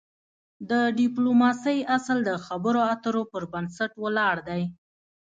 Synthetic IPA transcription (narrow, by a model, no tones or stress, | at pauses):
d̪əɖɪplomɑsəjasld̪əxabəɾoat̪əɾopəɾbansaʈwəlɑɽd̪aj